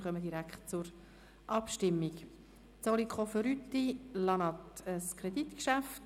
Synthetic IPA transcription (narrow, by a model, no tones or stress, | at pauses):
χœməd̥̪iɾækχtt͡sʊɾ | ʔɑpʃtɪmːik | t͡solikχofəɾyt̪ːilɑnɑtəskʰɾed̥it̪kʃæft